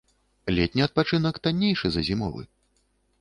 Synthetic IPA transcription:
lʲɛt̪ʲnʲiɐt̪̚pat͡ʂɨnɐkt̪anʲːejʂɨzɐzʲimɔ̰vɨ̰

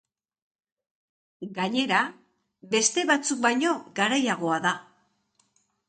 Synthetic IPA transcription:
ɡaɲe̞ɾa | be̞st̪e̞βat͡suk̚bajɲo̞ɡaɾajaɣ̞o̞aða

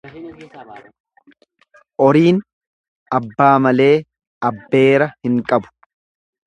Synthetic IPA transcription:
ʔɔɾiːn | ɐbːaːmɐle̞ː | ɐbːe̞ːɾɐhɪŋkʼɐbʊ̥

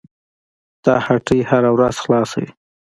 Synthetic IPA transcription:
t̪ɑhaʈəjhaɾawɾaz̥xlɑsa̰wḭ

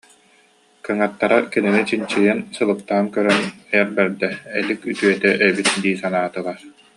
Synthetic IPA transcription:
kɯŋat̪ːaɾakɛninit͡ɕint͡ɕiɛnsɯlˠɯp̚t̪aːŋkœɾœnɛjɛɾbɛɾd̪ɛɛlikyt̪yœt̪ɛʔœbit̪d̪iːsanaːt̪ɯlˠaɾ

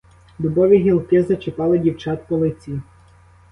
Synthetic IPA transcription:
d̪ʊbɔʋʲiɦʲilˠkɪzɐt͡ʃɪpɑlˠɪdʲiwt͡ʃɑt̪pɔlˠɪt͡sʲi

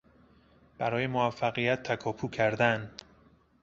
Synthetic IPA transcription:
b̥æɾɒːje̞moæfːæɣijæt̪ʰːækʰɒːpʰuːkʰæɾd̪æn

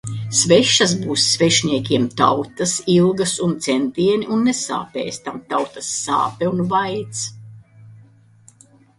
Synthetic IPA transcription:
svɛʃːɐs̬buːsːvɛʃnʲiɛkʲiɛmt̪a̰wt̪ɐsilˠɡɐsunt̪sɛnt̪iɛnʲiʔunːɛsa̰ːpɛ̰ːst̪amt̪awt̪ɐsːa̰ːpɛunvajt̪s

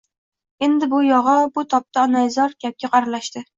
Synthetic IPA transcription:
e̞nd̪ɪbʊjɒʁɒbʊt̪ʰɒp̚t̪aɒnajzɒɾkʲap̚kʲaqʰɑɾlaʃt̪ɪ

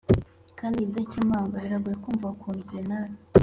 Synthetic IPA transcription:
kaːndizacimaːŋɡaiɾaɡujekuːɱvakʰuɲɡenan

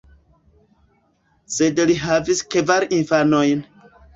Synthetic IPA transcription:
sedliɦaviskevaɾinfanojn

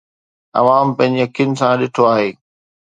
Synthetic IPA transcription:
ɐ̰ʋaːmpɐ̃ɦɪ̃ɲd͡ʑiɐkʰijʊnɪ̆sãɗɪʈʰoaːɦeː

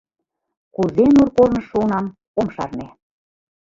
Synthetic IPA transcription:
kuzenurkoɾnɤ̆ʃːunɑm | omʃɑ̰rne

